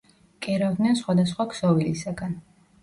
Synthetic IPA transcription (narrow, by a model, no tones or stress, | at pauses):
kʼɛɾavd̪nɛnsχwad̪asχwaksɔvilisaɡan